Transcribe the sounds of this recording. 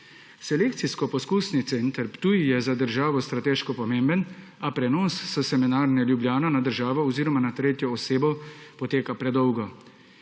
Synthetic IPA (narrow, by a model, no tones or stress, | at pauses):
sɛleːk̚t̪siskɔpɔskusnit̪sent̪əɾpt̪ujjɛzad̪əɾʒaːʋɔst̪ɾat̪eːʃkɔpɔmeːmbən | apɾɛnɔːsːɔsɛminaːɾnɛljubljaːnɔnad̪əɾʒaːʋɔɔziːɾɔmanat̪ɾeːt̪jɔːseːbɔpɔt̪eːkapɾɛd̪ɔwɡɔ